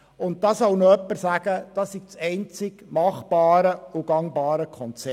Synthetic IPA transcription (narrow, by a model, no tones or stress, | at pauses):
ʊnt̚dɑːsɔwnoœpːəɾsæɡ̥əd̥ɑsiɡ̥̚t͡sɛɪnt͡sɪɡ̥mɑχb̥ɑːɾəʊɡɑŋbɑːɾəkʰɔnt͡sɛ